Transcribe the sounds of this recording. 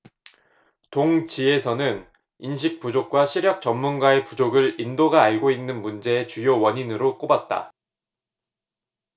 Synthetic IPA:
toŋt͡ɕie̞sʰʌnɯn | inɕ̬ʰik̚p͈ud͡ʑok̚k͈waɕʰiɾjʌk̚t͡ɕʌmːunɡwae̞pud͡ʑoɡɯɭindoɡaːɭɡoinːɯnmund͡ʑe̞ːt͡ɕujowʌɲinɯɾok͈obat̚t͈a̰

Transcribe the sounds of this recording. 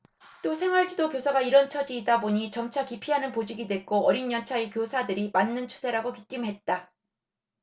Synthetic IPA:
t͈osʰe̞ŋwaɭd͡ʑidokjosʰaɡaiɾʌnt͡ɕʰʌd͡ʑiːdaboɲit͡ɕʌmt͡ɕʰakipʰiɦanɯnpod͡ʑiɡidwe̞ɡ͈oʌɾinːʌnt͡ɕʰaekjosʰadɯɾimanːɯnt͡ɕʰu̥sʰe̞ɾaɡokit͈imɦe̞t̚t͈a

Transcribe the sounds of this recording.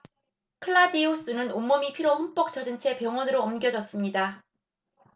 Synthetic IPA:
kʰɯɭːadios͈ɯnɯnomːʌmipʰiɾohump͈ʌk̚t͡ɕ͈ʰʌd͡ʑɯnt͡ɕʰe̞pjʌŋwʌnɯɾoːmɡjʌd͡ʑʌs͈ɯmɲida

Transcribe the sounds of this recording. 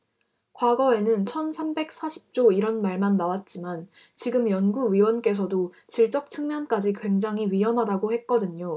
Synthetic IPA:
kwaɡʌe̞nɯnt͡ɕʰʌnsʰambe̞k̚s͈aɕʰi̥p̚t͡ɕ͈oiɾʌnmaɭmanːawat̚t͡ɕ͈iman | t͡ɕiɡɯmjʌnɡuɥiwʌnk͈e̞s̬ʰʌdo | t͡ɕiɭt͡ɕ͈ʌk̚t͡ɕʰɯŋmjʌnk͈ad͡ʑikwe̞ŋd͡ʑaŋɦiɥiɦjʌmɦadaɡohe̞t̚k͈ʌdɯɲo

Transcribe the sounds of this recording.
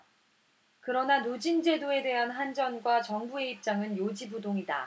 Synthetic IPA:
kɯɾʌnanod͡ʑind͡ʑe̞doe̞de̞ɦanɦand͡ʑʌnɡwat͡ɕʌŋbue̞ip̚t͡ɕ͈aŋɯnjod͡ʑibudoŋida̰

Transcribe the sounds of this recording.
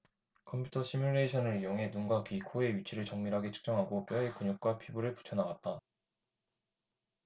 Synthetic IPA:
kʰʌmpʰjutʰʌɕʰimjuɾe̞iɕʰʌnɯɾijoŋɦe̞nuŋɡakikʰoe̞ɥit͡ɕʰiɾɯɭt͡ɕʌŋmiɾɦaɡe̞t͡ɕʰɯ̥k̚t͡ɕ͈ʌŋɦaɡop͈jʌekuɲuk̚k͈wapʰibuɾɯɭpu̥t͡ɕʰʌnaɡat̚t͈a

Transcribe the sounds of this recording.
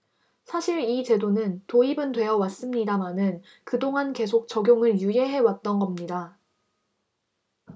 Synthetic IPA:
sʰaɕʰiɾit͡ɕe̞donɯntoibɯntwe̞jʌwas͈ɯmɲidamanɯn | kɯdoŋanke̞sʰok̚t͡ɕʌɡjoŋɯɭjuje̞ɦe̞wat̚t͈ʌnɡʌmɲida

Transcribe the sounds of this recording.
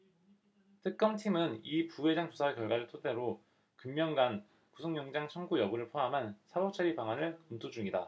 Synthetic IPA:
tʰɯk̚k͈ʌmtʰimɯnipuwe̞d͡ʑaŋt͡ɕosʰawekjʌɭɡwaɾɯɭtʰot͈e̞ɾo | kɯmːjʌŋɡan | kusʰoŋjʌŋd͡ʑaŋt͡ɕʰʌnɡujʌbuɾɯɭpʰoamɦansʰabʌt͡ɕʰʌɾipaŋanɯɭkɯmtʰod͡ʑuŋida̰

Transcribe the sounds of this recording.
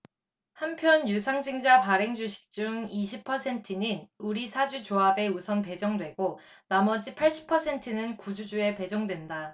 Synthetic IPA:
hampʰjʌnjusʰaŋd͡ʑɯŋd͡ʑapaɾe̞ŋd͡ʑuɕʰi̥k̚t͡ɕ͈uŋiɕʰipʰʌsʰe̞ntʰɯninuɾisʰad͡ʑut͡ɕoabe̞usʰʌnpe̞d͡ʑʌŋdwe̞ɡo | namʌd͡ʑipʰaɭɕ͈i̥pʰʌsʰe̞ntʰɯnɯnkud͡ʑud͡ʑue̞pe̞d͡ʑʌŋdwe̞nda

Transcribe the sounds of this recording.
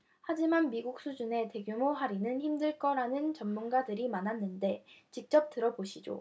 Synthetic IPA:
had͡ʑimanmiɡuk̚s͈ʰud͡ʑune̞te̞ɡjumoɦaɾinɯnçimdɯɭk͈ʌɾanɯnt͡ɕʌmːunɡadɯɾimanɦanːɯnde̞t͡ɕik̚t͡ɕ͈ʌp̚t͈ɯɾʌboɕʰid͡ʑo̰

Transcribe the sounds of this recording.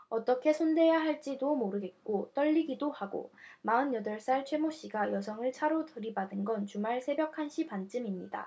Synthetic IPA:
ʌt͈ʌkʰe̞sʰonde̞jaɦaɭt͡ɕ͈idomoɾɯɡe̞t̚k͈ot͈ʌʎːiɡidohaɡo̰maɯnjʌdʌɭs͈aɭt͡ɕʰwe̞moɕ͈iɡajʌsʰʌŋɯɭt͡ɕʰaɾotɯɾibadɯnɡʌnt͡ɕumaɭsʰe̞bjʌkʰanɕʰipant͡ɕ͈ɯmimɲida̰

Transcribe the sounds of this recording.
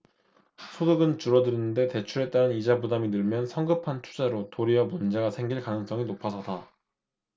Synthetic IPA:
sʰodɯɡɯnt͡ɕuɾʌdɯɾinɯnde̞te̞t͡ɕʰuɾe̞t͈̚aɾɯnid͡ʑabudaminɯɭmjʌnsʰʌŋɡɯpʰantʰu̥d͡ʑaɾotoɾiʌmund͡ʑe̞ɡasʰe̞ŋɡiɭkanɯŋs͈ʌŋinopʰasʰʌda

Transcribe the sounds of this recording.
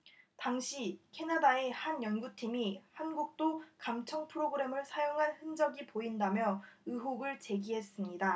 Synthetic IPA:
taŋɕʰikʰe̞nadae̞hanjʌnɡutʰimihanɡuk̚t͈okamt͡ɕʰʌŋpʰɯɾoɡɯɾe̞mɯɭsʰajoŋɦanhɯnd͡ʑʌɡipoindamjʌɯɦoɡɯɭt͡ɕe̞ɡiɦe̞s͈ɯmɲida

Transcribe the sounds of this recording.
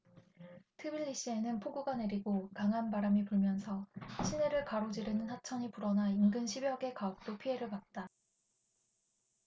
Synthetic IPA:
tʰɯbiʎːiɕ͈ie̞nɯnpʰoɡuɡane̞ɾiɡokaŋɦanbaɾamipuɭmjʌnsʰʌɕʰine̞ɾɯɭkaɾod͡ʑiɾɯnɯnhat͡ɕʰʌɲipuɾʌnainɡɯnɕʰibjʌɡe̞kaʌk̚t͈opʰiɦe̞ɾɯɭpat̚t͈a

